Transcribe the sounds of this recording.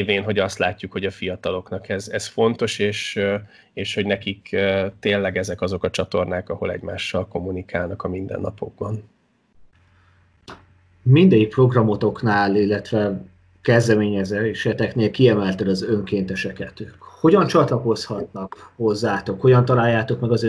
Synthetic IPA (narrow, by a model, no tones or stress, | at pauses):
veːnɦo̞ɟɒst̪laːcːukhoɟɒfijɒt̪ɒlo̞knɒkɛzɛsfo̞nt̪o̞ʃeːʃ | eːʃho̞ɟnɛkikːt̪eːnlɛɡɛzɛkɒzo̞kɒt͡ʃɒt̪o̞rnaːkɒho̞̰lɛ̰ɟmaːʃːɒlko̞mːunikʰaːlnɒkɒmind̪ɛ̰nːɒpʰo̞ɡ̚bɒn | mind̪ɛjik̚pro̞ɡrɒmo̞t̪o̞knaːlilːɛt̪ʋɛ | kɛzd̪ɛmeːɲɛzøʃɛt̪ɛkneːlkiɛmɛlt̪ɛlɒzø̞ŋkeːnt̪ɛʃɛkɛt̪ykho̞ɟɒnt͡ʃɒt̪lɒko̞shɒt̪nɒkho̞zːaːt̪o̞kho̞ɟɒnt̪ɒlaːjːaːt̪o̞kmɛɡɒzø